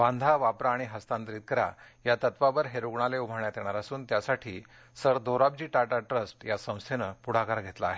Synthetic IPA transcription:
ʋãnd̪ʱaʋapɾaːɽ̃iɦəst̪ãnt̪ɾiːt̪̚kəɾa̰ | jat̪ət̪ʋabəɾɦeɾuɡɳaleubʱəɳjat̪eɽ̃aɾasuːnt̪jasaʈʰiː | səɾd̪ʱoɾabd͡ʑiːʈaʈaʈɾəsʈjasə̃w̃st̪ʰenəpuɽ̤akaɾɡʱet̪laːɦe

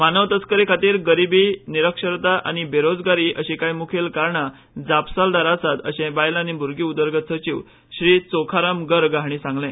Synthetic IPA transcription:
manəʋt̪ət͡skəɾekʰət̪iːɾɡəɾibiːniɾəkʂəɾt̪aʔa̰ñibeɾod͡zɡaɾiːʔəɕĩkajmukʰelkaɾɳa | d͡zapsald̪aɾasat̪ə̰ɕẽbajlanibʱuɾɡiːud̪əɾɡət̪sət͡ɕiʋ | ɕɾiːt͡sokʰaɾamɡəɾɡaɦɽ̃iːsãŋɡlẽ

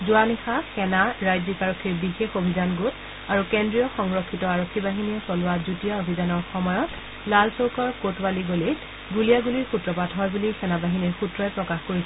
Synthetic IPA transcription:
zʊanixaxɛnaɹajzikaɹɔkʰːiɹbixexobʱizanɡut | aɹukendɹijɔxɔŋɹɔkʰːitɔaɹokʰːibaɦiniɛsɔlʊazutijaobʱizanɔɹxɔmɔjɔt | lalsowkɔɹkotwaliɡoli | ɡulijaɡuliɹxutɹɔpatɦɔjbulixɛnabaɦiniɹxutɹɔjpɹɔkaxkoɹisɛ

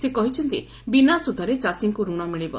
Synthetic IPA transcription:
sekɔɦit͡ʃʰɔnt̪ḭ | binasud̪ʱɔɾet͡ʃasiŋkuɾuɽ̃ɔmiɭibɔ̰

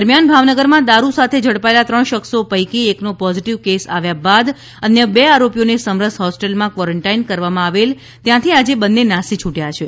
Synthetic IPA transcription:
əɾmjanbʱaʋnəɡəɾmãd̪aɾusat̪ʰed͡ʒʱəɽpaelat̪ɾəɳʃəksopəjkieknopɔziʈiʋkesa̰ʋjabad̪ | ənjəbeaɾopijonesəmɾəsɦɔsʈelmãkʋɔɾəɳʈainkəɾʋamãaʋel | t̪jãt̪ʰiad͡ʒebənːenasit͡ʃʰuʈjat͡ʃʰe

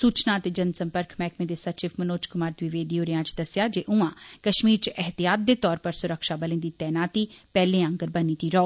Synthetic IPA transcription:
suːt͡ʃnãːət̪eːd͡ʒənsə̃mpəɾkʰmɛːkmẽːd̪eːsət͡ʃɪfmənoːt͡ʃkʊmaːɾt̪ʋɪʋeːd̪iːɦoːɾɪjãːt͡ʃd̪əsjaːd͡ʒeːʔʊ̃ãːkəʃmiːɾt͡ʃəʔəɦt̪ijaːt̪̚d̪eːt̪ɔːɾpəɾsʊɾəkʃaːbəlẽːd̪iːt̪ɛːnaːt̪iːpɛːlẽːə̃ŋɡəɾbəniːt̪iːɾəoː

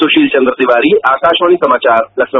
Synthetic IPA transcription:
soɕiːlt͡ɕənd̪ɾəd̪iʋaɾiːʔakaʃʋaɽ̃isəmat͡ɕaɾlɐksnə

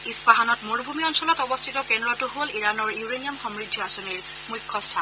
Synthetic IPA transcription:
ispaɦanɔtmoɹbʱumiɔnsɔlɔtɔbɔstʰitɔkendɹɔtʊɦoliɹanɔɹjuɹeniamxɔmɹidʱːiasɔniɹ | mujkʰːɔstʰa

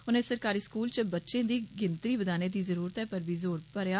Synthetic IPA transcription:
ʊnẽːsəɾkaːɾiːskuːlt͡ʃəbətːʃẽːd̪iːɡɪnt̪ɾiːbəd̪aːneːd̪iːzəɾuːɾət̪ɦɛːpəɾʋiːzoːɾpəɾjaː

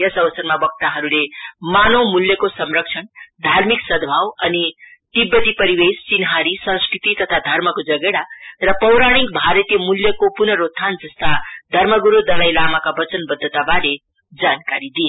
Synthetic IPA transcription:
jʌsʌʋʌsʌrmabʌk̚t̪aɦʌɾulemanowmuljʌkosʌmrʌkt͡ʃʰʌnd̪ʱarmiksʌd̪ʱbʱawʌnit̪ibːʌt̪ipʌɾibest͡sinɦaɾisʌ̃nskɾit̪it̪ʌt̪ʰad̪ʱʌrmʌkod͡zʌɡeɽarʌpʌwɾaɽ̃ikbʱaɾʌt̪jʌmuljʌkopunʌɾot̪t̪ʰːand͡zʌst̪ad̪ʱʌrmʌɡuɾod̪ʌlajlamakabʌt͡sʌnbʌd̪ʱːʌt̪abale | d͡zankaɾid̪ie

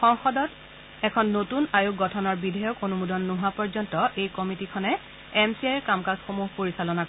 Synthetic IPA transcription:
xɔŋxɔdɔt | ɛkʰɔnːotunajuk̚ɡɔtʰɔnɔɹbidʱɛjɔkonumudɔnːuɦapɔɹzɔntɔʔejkɔmitikʰɔnɛ | ɛmsiajkamkasxomuɦpoɹisalɔnak

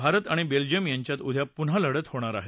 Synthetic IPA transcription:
bʱaɾət̪aɽ̃ibeld͡ʑijəmjaɲt͡ɕjat̪ud̪ʱjapunɦaləɽət̪hoɽ̃aɾaɦe

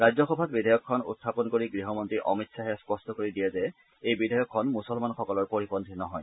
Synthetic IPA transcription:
ɹajd͡ʑzɔxɔbʱat̚bidʱajɔkʰːɔnṵtʰːapɔnkoɹiɡɹiɦɔmɔntɹiʔɔmitsaɦɛspɔstɔkoɹidijɛzɛ | ejbidʱajɔkʰːɔnmusɔlmanxɔkɔlɔɹpoɹipɔnd̪ʰʱinɔɦɔj

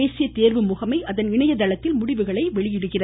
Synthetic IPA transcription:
eːsɪjɐt̪eːɾʋɯmʊɣɐmɐɪʔɐðɐnɪɳɐjɐd̪ɐlɐt̪ːɪlmʊɽɪʋɯɣɐɭɐɪʋɛɭɪjɪɽɯɣɪrɐ

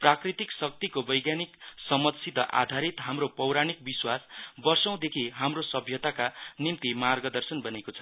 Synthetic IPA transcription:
prakrit̪iksʌk̚t̪ikobʌjɡjaniksʌmʌt̪sit̪ʌʔa̰d̪ʱaɾit̪ɦamropʌwɾañik̚biswasbʌrsʌ̃w̃d̪ekʰiɦamrosʌbʱjʌt̪akanimt̪imarɡʌd̪ʌrsʌnbʌnekot͡sʰʌ

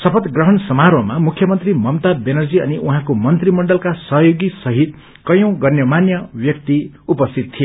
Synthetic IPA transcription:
sʌpʰʌt̪ɡrʌɦʌnsʌmaɾwʌmamukʰjʌmʌnt̪rimʌmt̪abenʌrd͡ziʌ̰niʔuɦãkomʌnt̪rimʌɳɖʌlkasʌɦjoɡisʌɦit̪̚ | kʌjõw̃ɡʌrnjʌmanjʌbjʌk̚t̪i | upʌst̪ʰit̪̚t̪ʰːije

